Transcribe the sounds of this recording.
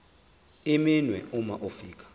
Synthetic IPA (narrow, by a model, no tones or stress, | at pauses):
iminwɛumaʔofiːk̬ʰʼḁ